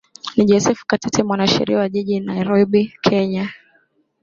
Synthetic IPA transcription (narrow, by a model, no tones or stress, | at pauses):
niʄɔsɛfu̥katɛtʰɛmwanaʃɛ̰ɾḭawaʄiʄinaiɾɔɓikʰɛɲa